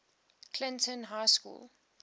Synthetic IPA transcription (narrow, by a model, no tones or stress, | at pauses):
kʰlɪ̃ntə̃nɦaɪskṵːlˠ